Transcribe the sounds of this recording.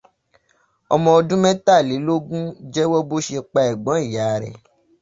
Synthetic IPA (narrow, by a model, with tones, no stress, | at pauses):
ɔ̰˧mɔ̃˧ɔ˧dũ˦mɛ̃˦ta˦˨li˨˦lo˦ɡũ˦d͡ʒɛ˦wɔ˦bo˦ʃe˧k͡pa˧ɛ˨ɡ͡bɔ̃˨˦i˦˨ja˨˦˨ɾɛ̰˨